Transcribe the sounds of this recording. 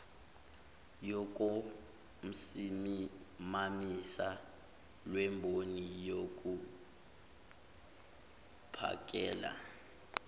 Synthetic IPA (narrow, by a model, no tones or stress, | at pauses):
jɔk̬ʼo | m̩simimamisa | lwɛmbʱonijok̬ʼu | pʰa̰k̬ʼɛːla̰